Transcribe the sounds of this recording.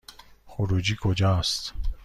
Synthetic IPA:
xuɾud͡ʒikʰod͡ʒast̪

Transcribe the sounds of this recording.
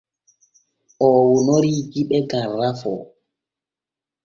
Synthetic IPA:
ʔɔːwunoɾid͡ʒiɓɛɡarːafɔ̰

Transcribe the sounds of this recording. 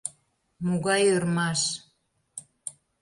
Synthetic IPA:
muɣɑjørmɑʃ

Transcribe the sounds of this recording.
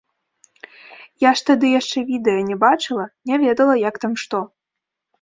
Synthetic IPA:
jaʂt̪ad̪ɨjaʂt͡ʂɛvʲid̪ɛjɐnʲɛbat͡ʂɨlˠɐnʲavʲɛd̪ɐlˠɐjakt̪amʂt̪ɔ

